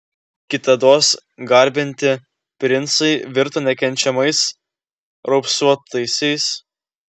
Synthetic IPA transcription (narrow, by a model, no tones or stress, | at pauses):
kʲɪt̪ɐd̪oːsɡɐˑɾʲbʲɪnʲt̪ʲɪ | pʲɾʲɪnˑt̪sɐɪʋʲɪɾt̪oːnʲɛkʲɛnʲt͡ʃʲɛmɐɪs | ɾɔʊpsuɔt̪ɐɪsʲɛɪs